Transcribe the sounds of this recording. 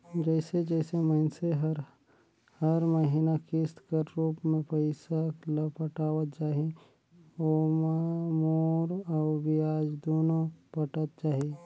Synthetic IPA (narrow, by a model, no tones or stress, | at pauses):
d͡ʒɛɪsed͡ʒɛːseməɪnseɦɾ | həɾməɦiːnakɪst̪kəɾɾuːpmẽpəɪsakləpəʈaːʋət̪̚t͡ʃaːɦi | o | moːɾɔːbiaːd͡ʒd̪oːnõpəʈət̪̚d͡ʒaːɦe